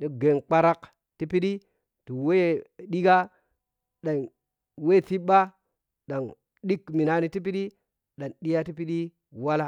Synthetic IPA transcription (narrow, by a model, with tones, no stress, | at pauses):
ɗi˨ɡe˨nk͡pa˦ɾa˦k | ti˦pi˦ɗi˦ | ti˨we˦ɗi˦ɡa˦ | ɗa˨n | we˦˨ti˦ɓa˦ | ɗa˨n | ɗi˦kmi˨na˦ni˨ti˦p̬i˦ɗi˦ | ɗa˨nɗi˦ja˦ti˦p̬i˦ɗi˦ | wa˦la˦